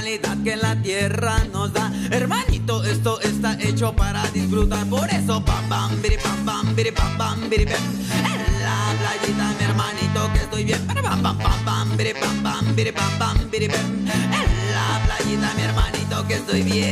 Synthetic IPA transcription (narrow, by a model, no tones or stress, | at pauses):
lit̪ad̪̚kelat̪jɛranozd̪aeɾmanit̪oʔest̪oʔest̪aʔɛt͡ʃopaɾad̪isfɾut̪aɾpoɾɛsopambambiɾipampambiɾipambambiɾibɛm | ɛlaplajit̪amjɛɾmanit̪okest̪ojbjɛmɾpapampambambiɾipambambiɾipambambiɾipɛmɛllaplajit̪amjɛɾmanit̪okest̪ojbjɛ